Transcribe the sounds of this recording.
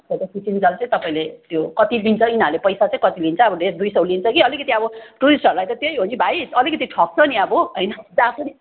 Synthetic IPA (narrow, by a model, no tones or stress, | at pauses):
sat̪ʌkit͡sind͡zʌlt͡sʌĩt̪ʌpaĩlet̪jokʌt̪ilint͡sʰʌinalepʌjsat͡sãĩkʌt̪ilint͡sʰʌʌbʌdesd̪ujsʌwlint͡sʰʌkiʌlikʌt̪iʌbʌʈuɾisʈʌɾulajt̪ʌt̪jejɦont͡sʰibʱajʌlikʌt̪iʈʰʌk̚t͡sʰʌniʌbʌɦʌjnʌd͡zapʰʌni